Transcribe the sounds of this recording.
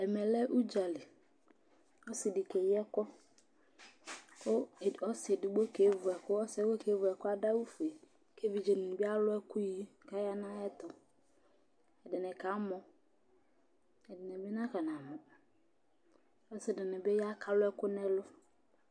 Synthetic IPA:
ɛ˨mɛ˨lɛ˦ʔu˦d͡ʒa˨lɪ˨ | ɔ˦sɪ˨dɪ˨ke˨jɛ˦kɔ˦ | kʊ˦˨ɔ˦sɛ˨dɪ˨ɡ͡bo˦ke˨˦vʊ˨ɛ˨kʊ˦ɔ˦sɛ˦wo˦ke˨˦vʊ˨ɛ˨kʊ˦a˦da˦wu˦fe˨ | ke˦vi˨d͡ʒe˨nɪ̃˨bɪ˦a˦lʊ˦ɛ˦kʊ˦ji˦˨ka˦ja˦nã˦jɛ˦t̪ɔ˨ | ɛ˨dɪ˨nɛ̃˨ka˨˦mɔ˨ | ɛ˨dɪ˨nɛ˨bɪ˦nã˦ka˨nã˨mʊ̃˨ | ɔ˦sɪ˨dɪ˨nɪ̃˨be˦ja˦kʰa˦lʊ˦ɛ˦kʊ˦nɛ˦lʊ˦

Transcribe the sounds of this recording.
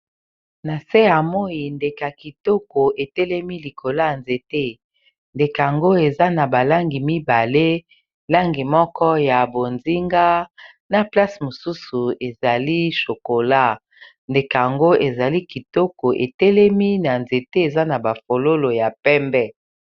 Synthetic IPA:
na˨se˦ja˨mo˦i˨nde˨ka˨ki˨tɔ˦ko˨e˨tɛ˦lɛ˦mi˦li˨kʰo˨la˦a˨nze˨te˦ | nde˨ka˨a˨ŋɡo˦e˨za˦na˨ba˨la˦ŋɡi˨mi˦ba˨le˦ | la˦ŋɡi˨mɔ˦kɔ˦ja˨bo˨nzi˦ŋɡa˦ | na˨pla˦si˨mo˨su˦su˨e˨za˨li˦ʃo˨ko˨la˦ | nde˨ka˨ja˨ŋɡo˦e˨za˨li˦ki˨tɔ˦ko˨ʔḛ˨tɛ˦lɛ˦mi˦na˨nze˨te˦e˨za˦na˨ba˨fo˨lo˦lo˨ja˨pɛ˦mbɛ˦

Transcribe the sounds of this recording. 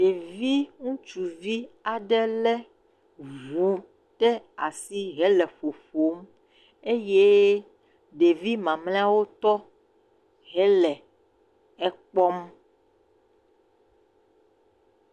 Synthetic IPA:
ɖe˨vi˦ŋũ˦t͡ʃu˨vi˦a˨ɖɛ˦lɛ˦ | vu˨ | t̪ɛ˦a˨si˦ɦɛ˨˦lɛ˨ɸo˨fo˨˦m | e˦je˦ | ɖe˨vi˦mã˨mlẽ˦a˦wo˦t̪ɔ˦ | ɦɛ˦lɛ˨ | ɛ˦k͡pɔ˦m

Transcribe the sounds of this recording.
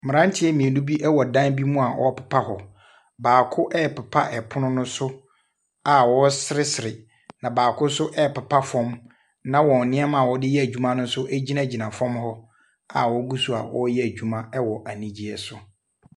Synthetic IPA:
mɪ̃˨ɾã˦n˦tʰɪ˦ɛ˦mĩ˨e˨nũ˦bi˦ʔɛ˦wɔ˨dã˦nbi˦mũ˦a˨wʔɔ̰˦pʰɛ̥˨pʰa˦hɔ˨ | baː˨kʰʊ˦ʔɛ˦˨pʰɛ˨pʰa˦ʔɛ˨pʰʊ˦nʊ̃˦nʊ̃˦sʊ˦ | a˨wɔ˦sɪ˦ɾɪ˦sɪ˨ɾɪ˨ | nã˨baː˨kʰʊ˦sʊ˦ʔɛ˦˨pɛ˨pʰa˦fɔ̃˦m | nã˦wɔ̃˨n˨nɪ̃˦ɛ˦mã˨wɔ˦dɪ˦jɛ˦æ˨d͡ʑᶣu˦mã˦nʊ̃˦sʊ˦ʔɛ˦d͡ʑi˦nã˦˨d͡ʑi˨nã˨fɔ̃˦mhɔ˦ | a˨wɔ˦ɡu˦su˦˨a̰˨wɔ˦jɛ˦æ˨d͡ʑᶣu˨˦mã˦ɛ˦wɔ˨ʔæ˨nĩ˦d͡ʑi˦ɛ˦sʊ˨

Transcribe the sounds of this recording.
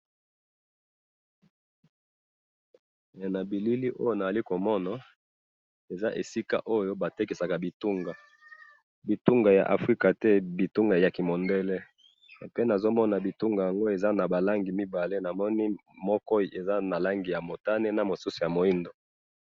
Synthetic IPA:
na˨bi˨li˦li˦ʔo˦jo˨na˨a˨li˦ko˨mɔ˦na˨ | e˨za˦ʔe˨si˦ka̰˦ʔo˦jo˦ba˨te˦ki˨sa˨ka˨bi˨tu˦ŋɡa˨ | bi˨tu˦ŋɡa˨ja̰˨ʔa̰˨fʁi˦ka˨tɛ˦bi˨tu˦ŋɡa˨ja˨ki˨mo˨nde˦le˦˨ | pe˦na˨zo˦mɔ˦na˨bi˨tu˦ŋɡa˨ja˨ŋɡo˦e˨za˦na˨ba˨la˦ŋɡi˨mi˦ba˨le˦na˨mɔ˦ni˦mɔ˦kɔ˦˨e˨za˦na˨la˦ŋɡi˨ja˨mo˨ta˦ne˦na˨mo˨su˦su˨ja˨mo˨i˦ndo˨

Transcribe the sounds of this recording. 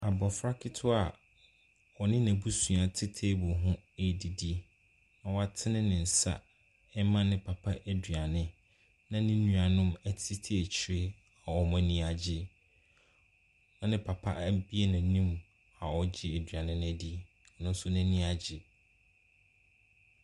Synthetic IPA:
a˨bɔ˨fɾa˦kʰɪ˦tʰʊ˦a˨ | ɔ˨nɪ̃˦næ̃˨bu˦sũ˨a˨tʰɪ˦tʰe˦bʊ˨ɦʊ̃˦æ˦di˨di˦ | nã˨wa˨tʰɪ˦nɪ̃˦nɪ̃˨n̩˨sa̰˨ | ɛ˦mã˦nɪ̃˦pʰa˨pʰa˦ʔe˦dɥa˨nɪ̃˦ | nã˦nɪ̃˦nũ˦a˨nʊ̃˦mæ˨tʰɪ˦tʰe˦æ˨t͡ɕʰi˨ɾe˦ | a˨ɔ˨mã˦nĩ˦a˨d͡ʑɪ˦ | nã˦nɪ̃˦pʰa˨pʰa̰˦ʔbi˦e˦nã˨nĩ˦m | a˨ɔ˨d͡ʑɪ˦e˨dɥa˨nɪ̃˦ñ˦ɛ˨di˦˨˦ | nʊ̃˦n˦sʊ˦nɛ̃˦nĩ˦a˨d͡ʑɪ˦

